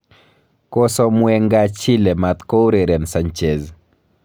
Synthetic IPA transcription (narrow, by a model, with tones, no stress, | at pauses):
kɔ˦sɔ˦mwɛ˦ŋɡat͡ʃi˦le˨ma˨t̪ko˦wɾeɾɛ˨nsaɲt͡ʃe˨z